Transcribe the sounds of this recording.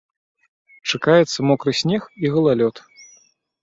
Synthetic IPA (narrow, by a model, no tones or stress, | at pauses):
t͡ʂakajɛt̪sːɐmɔkɾɨsʲnʲɛxiɣɐlˠalʲɔt̪